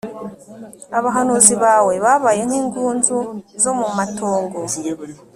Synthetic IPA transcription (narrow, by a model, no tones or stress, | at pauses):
aβaɦanuːziβaːwe̞βaβaje̞ŋ̥hiːŋɡuːnzuzo̞mumatʰo̞ːŋɡo̞